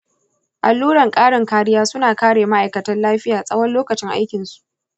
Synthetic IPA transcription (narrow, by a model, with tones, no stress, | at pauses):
ʔa˨lːuː˦ɽɐ˨ŋkʼaː˦ɽɪ˨ŋkaː˦ɽɪ˦jaː˦sʊ˦naː˨kaː˦ɽeː˨ma˦ʔa˨jkɐ˨tɐ˦nlaː˦ɸɪ˦jaː˨sʼɐ˦wɐ˦nloː˦kɐ˨t͡ʃɪ˦ŋʔa̰˦jkʲɪ˨nsu̥˨ʔ